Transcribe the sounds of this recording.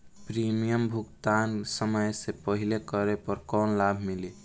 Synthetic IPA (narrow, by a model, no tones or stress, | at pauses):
pɾimijəmbʱukt̪ansəməjsepəɦilekəɾepəɾkɔnlabʱmili